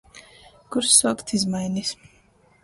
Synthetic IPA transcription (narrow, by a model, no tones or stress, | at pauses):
kuɾsːuɔkt̪izmajnis